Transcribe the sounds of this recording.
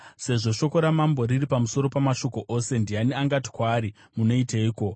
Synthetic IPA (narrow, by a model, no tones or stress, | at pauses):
se̞ʐo̞ʃo̞ko̞ɾamambo̞ɾiripamuso̞ɾo̞pamaʃo̞ko̞ʔose̞ndianiaŋɡati̥kwaːɾi | muno̞iteiːko̞